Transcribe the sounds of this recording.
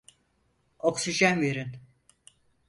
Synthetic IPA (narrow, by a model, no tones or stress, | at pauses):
oksiʒænve̞ɾin